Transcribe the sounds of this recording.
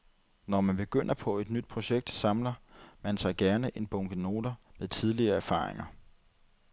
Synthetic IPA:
nɒmænb̥e̝ɡ̥øn̰ɐpʰɒ̽e̝d̥nyd̥̚pʰʁo̝ɕeɡ̥̚d̥sɑ̈mlɐmænsɑ̈ɪɡ̥æɐnəʔe̝nb̥ɔ̽ŋɡ̥əno̝ːd̥ɐmeðˠt͡sʰið̞ˠliɐæɐfɑ̰̈ːʁḛŋɐ

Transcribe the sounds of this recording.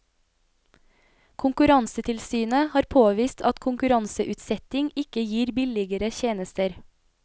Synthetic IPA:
kʰʊŋkʉɾɑnsət̪ʰɪlsyːnəhɑːɾpʰoːʋiːst̪ʰɑt̪kʰʊŋkʉɾɑnsəʔʉːt̪sɛt̪ɪŋɪkəjiːɾbɪlɪɡəɾəçeːnəst̪əɾ

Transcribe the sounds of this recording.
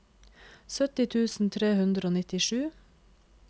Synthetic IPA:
sœt̪ɪt̪ʰʉːsn̩t̪ʰɾeːhʉnd̪ɾəoːnɪt̪ɪʃʉː

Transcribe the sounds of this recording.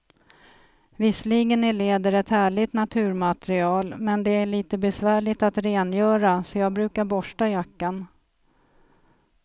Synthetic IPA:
vɪsliːɡənɪleːd̪əɾɛt̪hæːɭɪt̪nat̪ʰʉ̟ːɾmat̪ɾɪɑːlmɛnd̪ɛæɭiːt̪əbɛsvæːɭɪt̪at̪ɾeːnjœːɾasɔjɑːɡ̚bɾʉ̟ːkaɾbɔʂʈajakːan

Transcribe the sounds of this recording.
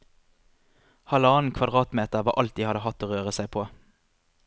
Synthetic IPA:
hɑlɑːn̩kʰʋɑd̪ʁɑːt̪meːt̪əʁʋɑːʔɑlt̪̚d̪iːhɑd̪əhɑt̪ːoːʁøːʁəsæɪpʰoː

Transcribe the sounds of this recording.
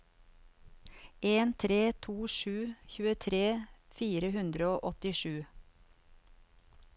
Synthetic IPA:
ʔeːnt̪ʰɾeːt̪ʰuːʃʉːçʉːət̪ʰɾeːfiːɾəhʉnd̪ɾəoːʔɔt̪ɪʃʉː

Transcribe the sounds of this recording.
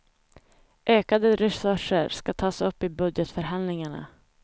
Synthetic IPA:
ʔøːkad̪əɾɛsɵʂəɾskat̪ʰɑːsɵpːɪbɵd̪jət̪fœɾɦand̪lɪŋaɳa̰

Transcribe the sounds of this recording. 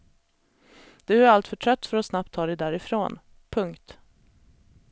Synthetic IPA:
d̪̥ɵæɾalt̪fœʈʰɾœt̪ːfœɾɔsnap̚t̪ʰːɑːd̪ɛjd̪æːɾɪfɾoːn | pʰɵŋkt̪

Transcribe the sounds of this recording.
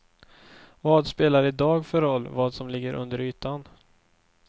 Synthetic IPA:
vɑːd̪speːlaɾɪd̪ɑːɡfœɾɔlːvɑːd̪sɔmlɪɡːəɾʔɵ̰nd̪əɾyːt̪an

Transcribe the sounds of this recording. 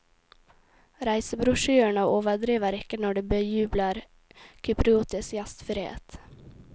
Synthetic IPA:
ɾæɪsəbɾʊʂyːəɳaoːvəɖ̪ɾiːvaɾɛkːəɳɔɖɛbɛjʉːblaɾ | kʰʏpɾɪuːt̪ʰəsjast̪fœɾḛːt̪

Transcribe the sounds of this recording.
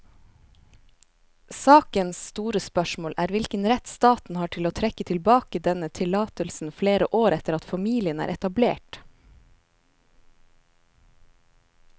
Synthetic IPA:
sɑːkənsst̪uːɾəspœʃmoːlʔæːɾʋɪlkənɾɛt̪st̪ɑːt̪n̩hɑːʈʰɪloːt̪ʰɾɛkət̪ʰɪlbɑːkəd̪ɛnət̪ʰɪlɑːt̪əlsn̩fleːɾəʔoːɾɛt̪əɾɑt̪fɑmiːlɪənæ̰ːɾʔɛt̪ɑbleːʈ

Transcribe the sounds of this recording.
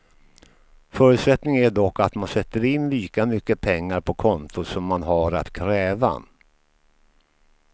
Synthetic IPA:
fœːɾɵʉt̪sɛt̪nɪŋæɖɔkːat̪mansɛt̪ːəɾɪnːliːkamʏkːəpʰɛŋːaɾpʰɔkʰɔnt̪ʊsɔmːanɦaɾa̰t̪kʰɾɛːva̰

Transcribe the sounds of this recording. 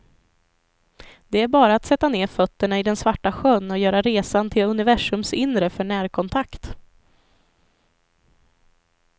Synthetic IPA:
d̪̥ɛæɾbɑːɾaːt̪sɛt̪ːaneːɾfœt̪ːəɳaɪd̪ɛnsvaʈːaɧœnːɔjœːɾaɾeːsant̪ʰɪlɵnɪvæʂɵmsɪnɾəfœɳæːɾkʰɔnt̪ʰakt̪

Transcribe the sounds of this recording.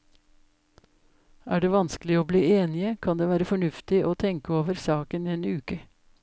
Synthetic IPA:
æːɖeːʋɑnskl̩ɪoːbliːeːnɪəkʰɑnd̪eːʋæːɾəfɔɳʉft̪ɪʔoːt̪ʰɛŋkəoːʋəɾsɑːkənːeːnʉːkə

